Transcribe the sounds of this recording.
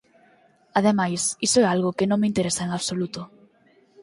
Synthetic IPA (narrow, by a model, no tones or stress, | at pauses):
aðemajsisoɛalɣoʊkenõŋmeint̪eɾesaeŋaβsolut̪o